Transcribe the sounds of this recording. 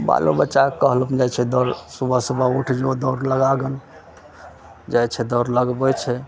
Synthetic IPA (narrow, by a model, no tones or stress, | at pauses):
ba̰lṵbətːt͡ʃakəɦlud͡ʒajt͡ʃʰɛd̪əɾsubʱəsəbʱauʈʰd͡ʒod̪ɔɾləɡaɡən | d͡ʒajt͡ʃʰɛd̪əɾləɡbɛt͡ʃʰɛ